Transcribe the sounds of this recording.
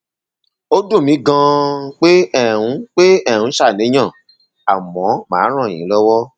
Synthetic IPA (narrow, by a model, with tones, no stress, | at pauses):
o˦do˦˨mĩ˨˦ɡã˧k͡pe˦ɛ˦˨ɾũ˨˧˦k͡pe˦ɛ̃˦˨ũ˨˦ʃa˦˨nĩ˨˦j̃ã˦˨ | a˨mɔ̃˨˦mã̰ː˨˦ɾ̃ã˦˨jḭ̃˨˦lɔ˦wɔ˦